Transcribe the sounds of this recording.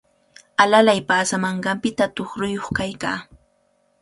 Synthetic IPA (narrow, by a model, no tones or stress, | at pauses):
alalajpaːsamɑɴɢɑmpɪt̪at̪oχɾʊjoχkajka̰ː